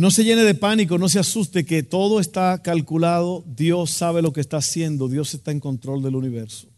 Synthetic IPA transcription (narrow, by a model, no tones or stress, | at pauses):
no̞se̞ʝe̞ne̞ðe̞panik̬o̞no̞s̬easust̪e̞ke̞t̪o̞ðoe̞st̪akalkulað̞o̞ðjo̞sːaβ̞e̞lo̞kest̪aːsje̞nd̪o̞ðjo̞se̞st̪ae̞ŋkõ̞nt̪ɾo̞ld̪e̞luniβe̞ɾso̥